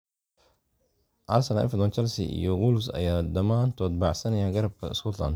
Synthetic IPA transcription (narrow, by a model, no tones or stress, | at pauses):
ʔɐrsɐnaʔɛ̰fd̪ɔnt͡ʃɐlsḭʔḭjɔɡulʊsɐ̰jaːd̪ɐmaːnt̪ʰɔːd̪̚bɑʕsɐnɐjaɡɐɾb̚kʰɐɪ̰skʰɔt̪ʰlɐ̰nd̪